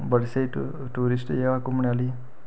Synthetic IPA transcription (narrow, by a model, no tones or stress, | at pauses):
bəɽsej | ʈuɾisʈjeʋakumɳiali